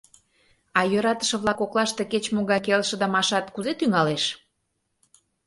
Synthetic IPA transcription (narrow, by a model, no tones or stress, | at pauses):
ɑjøɾɑt̪ə̥ʃə̆βlɑkoklˠɑʃt̪e̽ket͡ɕmoɣɑjkelʃə̆d̪ɑmɑʃɑt̪kuzet̪yŋɑleʃ